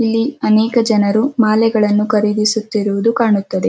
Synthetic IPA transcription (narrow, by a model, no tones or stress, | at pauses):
ilːiɐnɛːkɐd͡ʒɐnɐɾumaːlɛɡɐɭɐnːukɐɾid̪isut̪ːiɾuʋud̪ukaːɳut̪ːɐd̪e̞